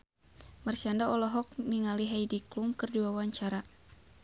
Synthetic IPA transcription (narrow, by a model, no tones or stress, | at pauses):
marsiandaɔlɔɦɔk̚niŋaliɦajdiklumkɨrdiwawaɲt͡ʃaɾa